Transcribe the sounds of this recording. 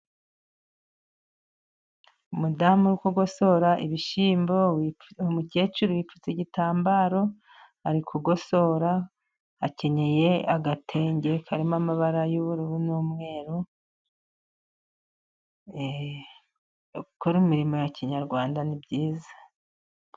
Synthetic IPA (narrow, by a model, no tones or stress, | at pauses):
umudaːmuɾukuɡo̞so̞ɾaʔiβiʃiːmbo̞w | muce̞ːt͡ʃuɾiwipfu̥t͡seɟitaːmbaːɾo̞ | haɾikʰuɡo̞so̞ɾa | ace̞ɲe̞je̞aɡatʰe̞ːɲɟe̞kʰaɾimamaβaɾajuβuɾuβunuːmŋe̞ːɾu | koɾumiɾimo̞jaciɲaɾɡwaːndanibɟiːzḁ